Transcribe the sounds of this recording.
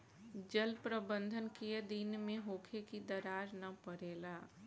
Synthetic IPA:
d͡ʒəlpɾəbə̃nd̪ʱənkeed̪inmẽɦoːkʰekid̪əɾaːɾnɐpəɾeːlaː

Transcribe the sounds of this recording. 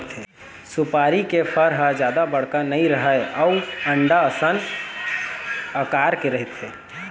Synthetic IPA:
t̪ɦe | supaɾikepʰəɾɦəd͡ʒjad̪abəɽ̤kanəĩɾəɦəjəʊəɳɖaəsən | əkaɾkeɾəɦit̪ɦe

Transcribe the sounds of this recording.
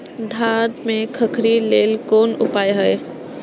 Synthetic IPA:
d̪ʱaɖmekʰəkʰɾileːlkonupajɦəj

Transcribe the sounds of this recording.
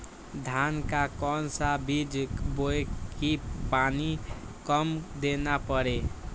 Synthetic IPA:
d̪ʱankakɔnsabid͡ʒboekipani | kəmd̪enapəɾe

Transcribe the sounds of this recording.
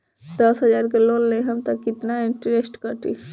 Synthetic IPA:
d̪ɐsɦɐd͡ʒaːɾkeloːlːeɦɐmt̪ɐkːɪt̪naɪ̃ɳʈɾesʈkəʈḭ

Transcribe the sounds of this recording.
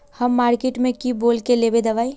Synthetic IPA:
həmːaːɾkeːʈmẽkiboːlkelebed̪ɐʋaːi

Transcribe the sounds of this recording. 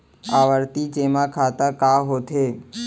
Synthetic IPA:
aʋəɾt̪id͡ʒeːmãkʰaːt̪əkaːɦot̪ʰeː

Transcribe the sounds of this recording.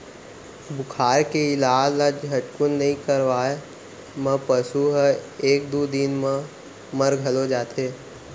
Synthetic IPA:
bʊkʰaːɾkeɪlaːlad͡ʒɦɐʈkʊnːɐɦĩkəɾʋaːe | mɐ̃pəsuɦəeːk̚d̪uːd̪inmã | məɾɡʱɐlod͡ʒaːt̪ʰeː

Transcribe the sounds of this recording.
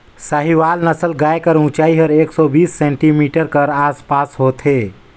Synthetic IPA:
saɦiʋalnəsəlɡajkəɾũt͡ʃaiɦəɾeksɔbisːẽɳʈimiʈəɾkəɾaspasɦot̪ʰe

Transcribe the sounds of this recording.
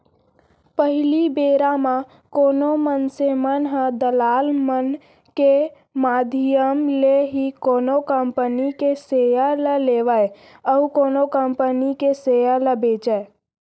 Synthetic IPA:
pəɦɪlibeːɾamã | koːnomənsemənɦə̃d̪əlaːlmən | ke | maːd̪ʱijəmleɦikoːnokəmpənikesejaləleʋəj | əukoːnokəmpənikesejaləbeːt͡ʃəe

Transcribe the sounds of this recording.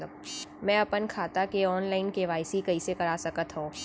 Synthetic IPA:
əbmɛ̃ɐpənkʰaːt̪akeɔːnlaːɪnkeʋaːɪsikɐisekɐɾaːsɐkət̪ɦõː

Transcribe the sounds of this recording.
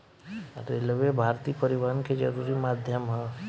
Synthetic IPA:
ɾelʋebʱaːɾt̪iːpəɾiʋaɾnked͡ʒəɾuːɾimaːd̪ʱjəmɦɛ

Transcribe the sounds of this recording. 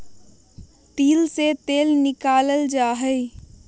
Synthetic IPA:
t̪iːlset̪eːlnɪkaːləld͡ʒaːɦəi

